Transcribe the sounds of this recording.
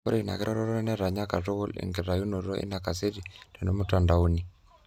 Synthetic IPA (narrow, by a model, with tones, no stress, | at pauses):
ɔ˦ɾe˦˨na̰˨ke˦ɾɔ˦ɾɔ˦ɾɔ˦ɛ˦nɛ˦ɾa˨ɲa˦ka˨tɔ˦ɣɔ˦lḭ˨ŋɡi˨ɾa˨ju˦no˨ɾɔ˦ʔḭ˦na˨ka˨se˦ɾi˨tɛ˨no˦muta˨nda˨u˦ni˨